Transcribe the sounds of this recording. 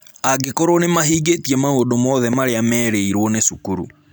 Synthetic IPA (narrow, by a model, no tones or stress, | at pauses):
aɡekoɾonemaɦiːɡetiɛmaoːdomɔðɛmaɾeamɛːɾeiɾwɔnesukuɾṵ